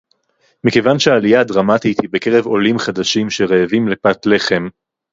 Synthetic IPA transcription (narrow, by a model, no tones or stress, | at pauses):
mikevanʃeaːlijadʁamat̪it̪hibe̞ke̞ʁe̞vo̞limχad̪aʃimʃe̞ʁeːvimle̞pat̪le̞χe̞m